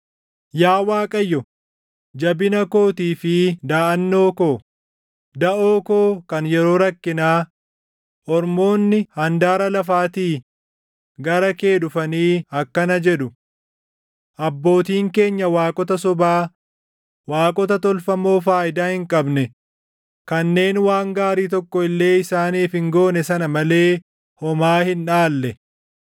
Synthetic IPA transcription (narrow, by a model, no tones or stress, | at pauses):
jaːwaːkʼɐjːɔ | d͡ʒɐbɪnɐko̞ːt̪iːfɪd̪aːʔɐnːo̞ːko̞ː | d̪ɐʔoːkoːkɐnjɛɾo̞ːɾɐkːɪnaː | ʔɔɾmo̞ːnːɪhɐnd̪aːɾɐlɐfaːt̪iː | ɡɐɾɐke̞ːdʊfɐniːɐkːɐnɐd͡ʒɛᶑʊ | ʔɐbːo̞ːt̪iːŋke̞ːɲːɐwaːkʼɔt̪ɐs̬ɔbaː | waːkʼɔt̪ɐt̪ɔlfɐmo̞ːfaːjɪd̪aːhɪŋkʼɐbnɛ | kɐnːe̞ːnwaːŋɡaːɾiːt̪̬ɔkːɔɪlːe̞ːɪsaːniːfhɪŋɡo̞ːnɛsɐnɐmɐle̞ː | hɔmaːhɪnᶑaːlːɛ